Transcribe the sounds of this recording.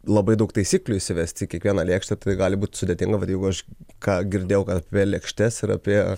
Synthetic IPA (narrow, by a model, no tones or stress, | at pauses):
lˠɐbɐɪd̪ɐʊkt̪ɐɪsʲiːklʲuɪʃʲsʲɪʋʲɛsʲt̪ʲɪkʲiɛkʋʲiɛnɑːlʲeːkʃʲt̪ʲɛt̪ɐɪɡɑːlʲɪbuːt̪ʲsʊd̪ʲeɛt̪ʲɪŋɡɐʋɐt̪jɛɪɡʊɐʃkɑːɡʲɪɾʲd̪ʲeːjɛʊkɐt̪ɐpʲiɛlʲɛːkʃʲt̪ʲɛsɪɾɐ̰pʲiɛ